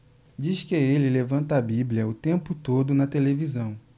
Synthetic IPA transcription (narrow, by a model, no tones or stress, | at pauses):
d͡ʒiʃkɪelɪlevɐ̃nt̪abiblʲiɐʊt̪ẽmpʊt̪od̪ʊnɐt̪elevizɐ̃w̃